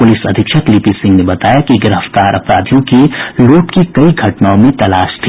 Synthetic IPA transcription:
pʊlɪsɐ̰d̪ʱɪkʃət̪lipisɪ̃ŋɡnebɐt̪aːjakiɡɪɾəft̪aːɾʔɐpɾa̰ːd̪ʱjõkiloːʈkikɐiɡʱɐʈnaõmẽt̪ɐlaːʃt̪ʰiː

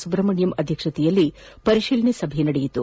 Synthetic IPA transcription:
subɾɐmɐɳjɐmɐd̪ʱjɐkʂɐt̪ijɐlːi | pɐɾiʃilnisɐbʱɛnɐɽɛjit̪ṵ

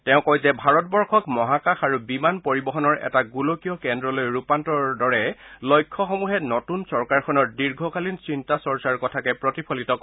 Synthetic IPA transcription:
tɛʊ̃kɔjzɛbʱaɹɔt̚bɔɹkʰɔkmɔɦakaxaɹubimanpoɹibɔɦɔnɔɹɛ̰taɡulokijɔkɛndɹɔlojɹupantɔɹdɔɹɛlojkʰːɔxɔmuɦɛnɔtunsɔɹkaɹkʰɔnɔɹdiɹɡʱɔkalinsintasɔɹsaɹkɔtʰakɛpɹɔtipʰɔlitɔk

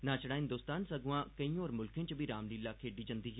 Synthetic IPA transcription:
nãːt͡ʃəɽaːɦɪnd̪oːst̪aːnsəɡuãːkəĩːɔːɾmʊlkʰẽːt͡ʃəbʱiːɾaːmniːlːaːkʰeːɖiːd͡ʒənd̪iːɦː

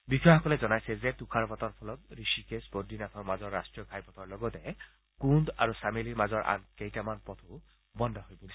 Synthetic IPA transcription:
bixʰɔjɔxɔkɔlɛzɔnajsɛzɛtukʰaɹpɔtɔɹpʰɔlɔt̪̚ɹisikesbɔdːinat̪ʰɔɹmazɔɹːastɹijɔkʰajpɔt̪ʰɔɹlɔɡɔtɛ | kunda̰ɹusameliɹmazɔɹʔa̰nkejtamanpɔt̪ʰu | bɔndʱɔɦojbu

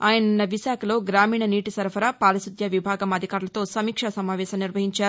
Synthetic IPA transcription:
aːjɐnunːɐʋiʃaːkʰɐlo̞ːɡɾaːmiːɳɐniːʈisɐɾpɐɾaːpaːlɐsud̪ʱjɐʋibʱaːɡɐmɐd̪ʱikaːɾulɐt̪o̞ːsɐmiːkʂɐsɐmaːʋɛːʃɐmniɾʋɐɦiɲt͡ʃaːɾu

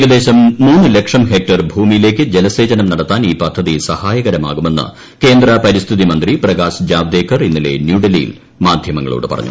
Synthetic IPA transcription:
eɡɐd̪e̞ːɕɐmːuːnːɨlekʂɐmɦe̞k̚ʈɐrbʱuːmijile̞ːkʲːɨd͡ʑelɐse̞ːd͡ʑɐnɐmnɐɽɐt̪ːaːniːpɐd̪ʱːɐðisɐhaːjɐɣɐɾɐma̰ːɣume̞nːɨ̰ | ke̞ːnd̪rɐpɐɾist̪ʰiðimɐnd̪riprɐɣaːsd͡ʑaːʋd̪eːkʰːɐrinːile̞̰njuɖɐlijḭl | maːd̪ʱjɐmɐŋːɐ̰ɭo̰ːɽɨpɐrɐ̰ɲːṵ

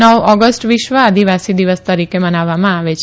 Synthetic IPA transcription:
əwɔɡəsʈʋiʃʋəad̪ʱiʋasid̪iʋəst̪əɾikebənaʋːamãaʋet͡ʃʰ

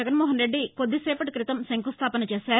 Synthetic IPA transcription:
ɐɡɐnmɔːɦɐnɾe̞ɖːikod̪ːisɛːpɐʈikɾit̪ɐmsɐŋkust̪ʰaːpɐnɐt͡ʃeːsaː

